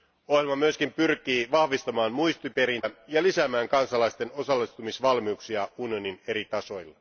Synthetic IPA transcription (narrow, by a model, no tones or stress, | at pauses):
ohjelmɑmyøskimpyrk̟iːʋɑhʋist̪ɑmɑːnmujst̪ipe̞ɾinæjɑlisæmæːŋkɑnsɑlɑjst̪e̞no̞sɑlːist̪umisʋɑlmiuksiɑunijo̞nine̞ɾit̪ɑso̞jlːɑ